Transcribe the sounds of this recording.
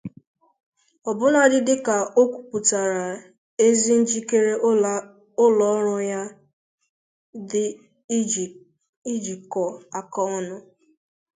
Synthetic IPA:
ɔ˨bʊ˦na˦dɪ˦dɪ˦ka˨ʔo˦kʷu̥˨pu˨ta˨ɾa˨ | e˦zi˦n̩˦d͡ʒi˦ke˦ɾe˦ | ʊ˦lɔ˦ɾʊ˦ja˦ | dɪ˦˨ | i˦d͡ʒi˨kɔ˨a˨kɔ˦ɔ˦nʊ˦

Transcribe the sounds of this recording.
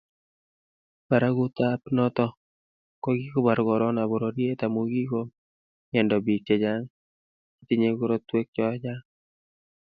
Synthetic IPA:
pa˨ɾa˦ɡʊ˦t̪a˦pnɔ˦t̪ɔ˦ | kɔ˦ɡi˦ko˦ba˨ɾɡɔ˨ɾɔ˦na˨bo˨ɾɔ˨ɾje˦t̪a˨mo˨ɡi˦ko˦ | ɲɛ˨ndɔ˨bi˨t͡ʃe˨d͡ʒa˦ŋ | i˦t̪ɪ˨ɲe˦ɡo˦ɾɔ˦t̪we˦k̚t͡ʃɔ˦d͡ʒa˦ŋ

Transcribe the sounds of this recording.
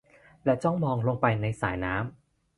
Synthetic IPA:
lɛː˧˩t͡ɕɔ˥˩ŋmɔː˧ŋlo˧ŋpa˧jna˧jsaː˩˦jnaː˦˥m

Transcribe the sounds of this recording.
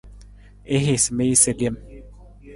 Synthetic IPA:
e˦ɦe˨sme˦i˦se˨ɡe˦m

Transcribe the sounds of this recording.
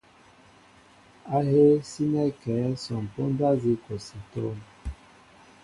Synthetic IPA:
a˦he˦si˦nɛ˦kɛ˨˦sɔ˨m˨po˦n˦da˦zi˦ko˨si˨to˦m

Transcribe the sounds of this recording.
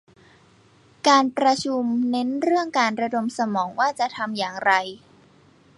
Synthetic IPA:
kaː˧npɾa˧t͡ɕʰu˧mne˦˥nɾɯ˥˩əŋkaː˧nɾa˧do˧msa˧mɔː˩˦ŋwaː˥˩t͡ɕa˨˩t̪ʰa˧mjaː˨˩ŋɾa˧j

